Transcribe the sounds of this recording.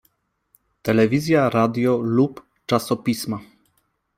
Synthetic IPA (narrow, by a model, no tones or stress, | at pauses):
t̪ɛlɛvʲizʲjaɾad̪jɔlup | t͡ʂasɔpʲisma